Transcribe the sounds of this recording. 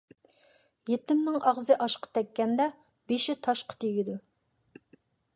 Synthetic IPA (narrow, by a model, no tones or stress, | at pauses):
jet̪ɪmnɪŋɑʁzɨʔɑʃqɑ̥t̪ʰɛkʲːɛnd̪ɛ | b̥eʃit̪ʰɑʃqʰɑ̥t̪ʰeɡʲid̪u